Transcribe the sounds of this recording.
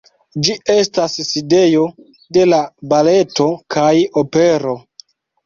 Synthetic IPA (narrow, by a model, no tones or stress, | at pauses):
d͡ʒie̞stasside̞jo̞ | de̞labale̞to̞kʰajope̞ɾo̞